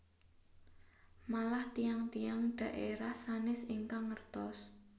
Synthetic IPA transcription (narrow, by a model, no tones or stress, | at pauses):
malaht̪ijaŋt̪ijaŋɖ̥ä̤ʔeɾahsanɪsiŋkaŋːərt̪ɔs